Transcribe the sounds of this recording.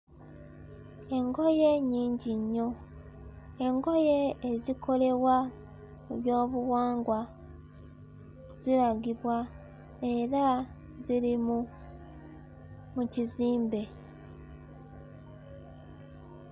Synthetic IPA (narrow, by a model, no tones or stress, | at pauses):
e̞ŋɡo̞je̞ɲiːɲɟiɲːo̞ | e̞ŋɡo̞je̞ːzikʰo̞le̞βwa | muβjo̞ːβuwaːŋɡwa | z̥iɾaɡiβwa | e̞ɾa | zilimu | muciziːmbe̞